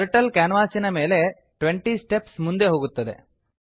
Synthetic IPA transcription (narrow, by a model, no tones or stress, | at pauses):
ɾʈɐlkaːnɐʋaːsinɐmeːle̞ | ʈʋeɳʈisʈepsmund̪e̞ɦoːɡut̪ːɐd̪e̞̰